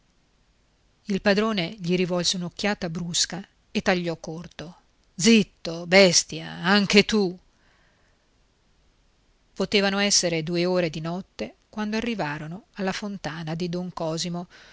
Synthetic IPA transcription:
ilpad̪ɾoːneʎiɾivɔlseunok̟ːjaːt̪abɾuska | et̪ːaʎːɔkːort̪o | d̪zit̪ːobɛst̪ja̰aŋk̟et̪u | pot̪eːvanoɛsːeɾed̪uːeoːɾed̪inɔt̪ːekwand̪oarːivaːɾonoalːafont̪aːnad̪id̪oŋkɔːzimo

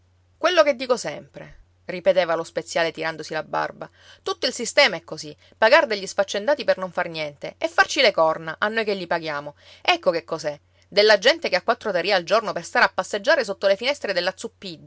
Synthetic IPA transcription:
kwelːoked̪ːiːkosɛmpɾḛ | ripet̪eːvalospet̪sjaːlet̪iɾand̪osilabːa̰rba | t̪ut̪ːoilsist̪ɛːmaɛkːozi | paɡaɾd̪eʎːisfat͡ʃːend̪aːt̪ipernoɱfarnjɛnt̪eɛfːart͡ʃilekɔrnaʔanːojkeʎːipaɡjaːmo | ɛkːokekːosɛ | d̪elːad͡ʒɛnt̪ekeakːwat̪ːɾot̪aɾiaːld͡ʒornoperst̪aɾapːasːed͡ʒːaːɾesot̪ːolefinɛst̪ɾed̪elːat̪sːupːid̪

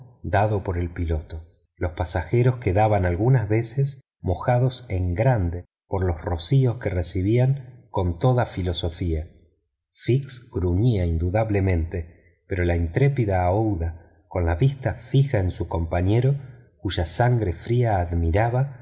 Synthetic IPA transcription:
d̪aðo̞po̞ɾe̞lpilo̞t̪o | lo̞spasaxe̞ɾo̞skeðaβanalɣunazβe̞ses | mo̞xaðo̞se̞ŋɡɾand̪e | po̞ɾlo̞srosio̞skeresiβ̞iaŋko̞nt̪o̞ðafilo̞so̞fia | fiksɡɾuɲiaind̪uðaβle̞mẽ̞nt̪e̞ | peɾo̞laint̪ɾepiðaowða | ko̞nlaβist̪afixaensuko̞mpaɲe̞ɾo̞kuʒasaŋɡɾe̞fɾiaːðmiɾaβa

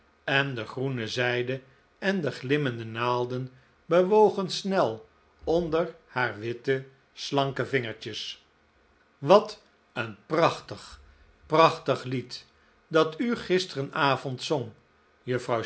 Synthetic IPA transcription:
ɛndəχrunəzɛjdə | ɛndəχlɪməndənaːlˠdən | bəʋowχənsnɛlˠ | ɔndəɹhaːɹʋɪtə | slɑŋkəvɪŋəɹt͡ʃəs | ʋɑt | ənprɑχtəχ | prɑχtəχlit | dɑtyχɪstərənaːvɔntsɔŋ | jəfrɑw

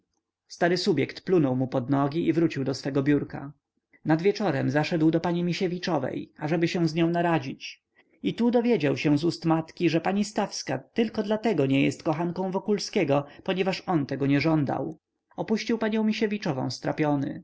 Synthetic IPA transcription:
st̪aɾɘsubʲjɛkt̪plunɔwmupɔd̪nɔɡʲiʔivɾut͡ɕiwd̪ɔsfɛɡɔbʲjuɾka | nad̪vʲjɛt͡ʂɔɾɛmzaʂɛd̪wd̪ɔpaɲimʲiɕɛvʲit͡ʂɔvɛ̰jaʐɛbɘɕɛ̃w̃zɲɔ̃w̃naɾad͡ʑit͡ɕ | it̪ud̪ɔvʲjed͡ʑawɕɛ̃w̃zust̪mat̪kʲiʐɛpaɲist̪afskat̪ɘlkɔd̪lat̪ɛɡɔɲɛjɛ̰st̪kɔxankɔ̃w̃vɔkulskʲɛɡɔpɔɲɛvaʂɔnt̪ɛɡɔɲɛʐɔnd̪a̰w | ɔpuɕt͡ɕiwpaɲɔ̃w̃mʲiɕɛvʲit͡ʂɔvɔ̰̃w̃st̪ɾa̰pʲjɔnɘ̰

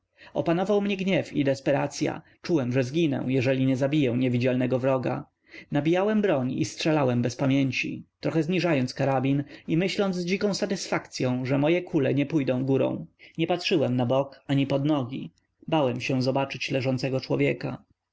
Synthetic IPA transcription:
ɔ̰panɔvawmɲɛɡɲɛfid̪ɛspɛɾa̰t̪sʲja̰ | t͡ʂuwɛmʐɛzɡʲinɛ̰̃jɛʐɛlʲiɲɛzabʲijɛ̃ɲɛvʲid͡ʑalnɛɡɔvɾɔɡa̰ | nabʲijawɛmbɾɔɲḭstʂɛlawɛmbɛspamʲjɛɲt͡ɕḭt̪ɾɔxɛzɲiʐajɔnt̪kaɾabʲinimɘɕlɔnd̪zd͡ʑikɔ̃w̃sat̪ɘsfakt̪sʲjɔ̃w̃ʐɛmɔjɛkʰulɛɲɛpujd̪ɔ̃w̃ɡuɾɔ̰̃w̃ɲɛpatʂɘwɛmnabɔkaɲipɔd̪nɔɡʲḭ | bawɛmɕɛ̃zɔbat͡ʂɘt͡ɕlɛʐɔnt̪sɛɡɔt͡ʂwɔvʲjɛka

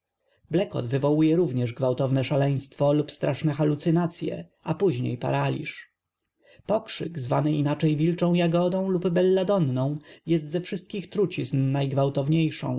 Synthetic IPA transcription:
blɛkɔ̰d̪vɘvɔwujɛɾuvɲɛʐɡvawt̪ɔvnɛʂalɛj̃st̪fɔlupst̪ɾʔaʂnɛxalut̪sɘnat̪sʲjɛ̰ | ʔapuʑɲḛjpa̰ɾalʲḭʂ | pɔkʂɘ̰kzvanɘʔinat͡ʂɛjvʲilt͡ʂɔ̃w̃jaɡɔd̪ɔ̃w̃lubbːɛlːad̪ɔnːɔ̃w̃jɛst̪zɛfʂɘst̪̚kʲixt̪ɾut͡ɕiznnajɡvawt̪ɔvɲejʂɔ̰̃w̃

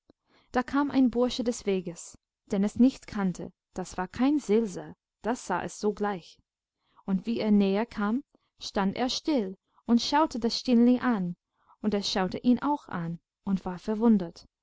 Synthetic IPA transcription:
d̥aːkʰaːmʔa̰ɪnbʊɐʃədɛsv̥eːɡəs | d̥ɛnɛsnɪçtkʰantʰə̰ | d̥asv̥aːɐkʰaɪnz̥ɪlzɐ | d̥asz̥a̰ːʔɛ̰sz̥oːɡlaɪç | ʊntv̥iːeːɐnɛːəkʰaːm | ʃtandʔḛːɐʃtɪl | ʊntʃaʊtədasʃtɪnlɪŋʔan | ʊntesʃaʊtəʔiːnʔa̰ʊxa̰n | ʊntv̥aːɐfɛɐvʊndət

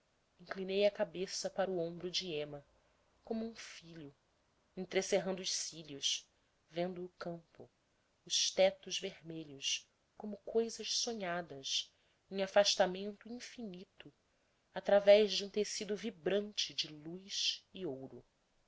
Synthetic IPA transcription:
ĩŋklinejɐkabesɐpaɾʊõbɾʊd͡ʒɪẽmɐ | kõmũfiʎʊ | ẽŋt̪ɾeseɦɐ̃nd̪ʊːʃsiʎʊʃ | vẽnd̪ʊːkɐ̃mpʊ̰ | ʊʃt̪ɛt̪ʊzvehmeʎʊs | kõmʊkojzɐʃsõɲad̪ɐs | ẽŋafaʃt̪amẽnt̪ʊĩfinit̪ʊ | at̪ɾavɛʒd͡ʒɪũt̪esid̪ʊvibɾɐ̃nt͡ʃɪd͡ʒɪlujʃɪowɾʊ

